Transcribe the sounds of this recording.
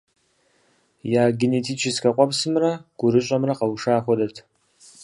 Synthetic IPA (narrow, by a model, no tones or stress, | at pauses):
jaːɡʲinetʰit͡ʃʰɪskʰaqʷʼapsɨmraɡ̥ʷʊɾɨɕʷʼamraqawʂaːχʷɔdɐtʰ